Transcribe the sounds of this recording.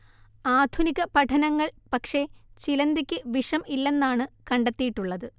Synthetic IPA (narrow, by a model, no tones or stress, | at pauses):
aːd̪ʱuniɣɐpɐʈʰɐnɐŋːɐɭpɐkʂe̞t͡ɕilɐnd̪ikʲːɨʋiʂɐmilːe̞nːaːɳɨkɐɳɖet̪ːijiʈːuɭːɐðɨ